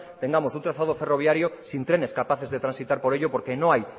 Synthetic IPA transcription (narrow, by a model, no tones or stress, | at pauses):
t̪eŋɡamosunt̪ɾaθað̞oferoβ̞jaɾjosint̪ɾeneskapaθezðet̪ɾãnsit̪aɾpoɾeʎopoɾkenõŋaj